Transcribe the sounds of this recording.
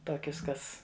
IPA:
ˈtoːkʲʊs ˈkɐs

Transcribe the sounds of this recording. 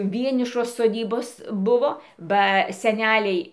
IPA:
ˈʋʲiɛnʲɪʃoːs soːˈdʲiːboːs ˈbʊʋoː bɐ sʲɛˈnʲæːlʲɛɪ

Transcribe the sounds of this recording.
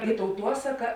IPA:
ɪ tɐʊˈtuɔsɐkɐ

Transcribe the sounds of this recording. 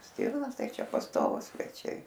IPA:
ˈsʲtʲiːrnoːs ˈtɐɪ ˈt͡ʃʲɛ pɐsˈtoːʋuːs sʲʋʲɛˈt͡ʃʲɛɪ

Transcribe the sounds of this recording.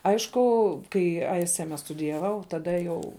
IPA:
ˈɐɪʃkʊ ˈkɐɪ ˈɐɪ ˈsʲɪ ˈæːmʲɛ stʊdʲɪjɛˈʋɐʊ tɐˈdɐ jɛʊ

